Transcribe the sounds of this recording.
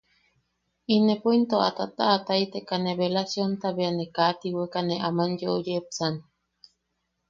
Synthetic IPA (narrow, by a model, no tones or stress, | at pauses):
inepint̪oʔa̰t̪at̪aʔːt̪ait̪ekaneβelasjont̪aβeanekat̪iwekaneʔamanjoʔojepsan